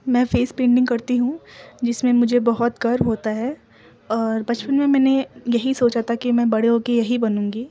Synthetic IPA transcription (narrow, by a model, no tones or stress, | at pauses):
mɛ̃ːfeːspẽːɳɖɪ̃ŋɡkɐɾt̪iɦũd͡ʒɪsmẽmʊd͡ʒʱebɐɦʊt̪ɡɐɾɦoːt̪aɦɛː | ɔːɾbɐt͡ʃpənmẽmɛ̃ːnejɐɦisoːt͡ʃat̪ʰakimɛ̃ːbɐɽ̤eõkejɐɦibɐnũːŋɡiː